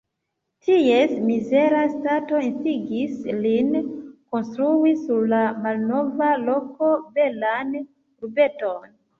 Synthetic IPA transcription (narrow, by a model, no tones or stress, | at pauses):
tʰie̞smize̞ɾastato̞instiɡislinko̞nstɾuisuɾlamalno̞valo̞ko̞be̞lan | ɾube̞to̞n